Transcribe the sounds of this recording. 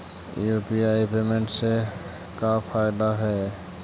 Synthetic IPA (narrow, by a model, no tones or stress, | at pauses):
jupiaːipemẽɳʈse | kapʰaːɪd̪aɦɛː